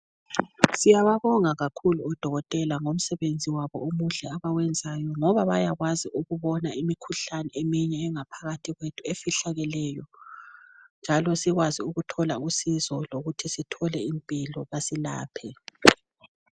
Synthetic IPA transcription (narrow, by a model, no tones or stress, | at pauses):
sijaβaβɔŋaɣakʰuluɔd̥ʱɔɣɔtʼɛlaŋom̩sɛβend͡zʱiwaβɔ̰umuɮɛaβawɛnd͡zʱajɔŋɔβaβajaɣwaziʔuɣuβɔnaimikʰuɬanɛemiɲɛːŋapʰaɣatʰiɣwetʰuefiɬaɣɛlɛjɔ | nd͡ʒʱalɔsiɣwaziuɣutʰɔlausizɔloɣutʰisitʰɔlɛimpʼilɔβasila̰ːpʰɛ